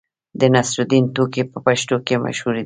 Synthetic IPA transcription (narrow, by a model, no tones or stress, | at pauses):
d̪ənasɾud̪int̪okepəpaʃt̪okema̰ʃhuɾe